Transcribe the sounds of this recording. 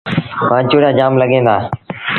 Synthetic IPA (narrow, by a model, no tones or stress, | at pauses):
mãːt͡ʃʊɽjãːd͡ʒaːmləɠẽːnd̪aː